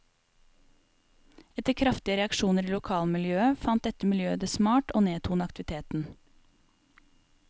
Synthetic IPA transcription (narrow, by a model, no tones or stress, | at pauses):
ɛt̪əkʰɾɑft̪ɪəɾɛɑkʃuːnəɾiːlʊkʰɑːlmɪljøːəfɑnt̪̚d̪ɛt̪əmɪljøːd̪eːsmɑːʈoːneːt̪ʰuːnəɑkt̪ɪʋɪt̪ʰeːt̪n̩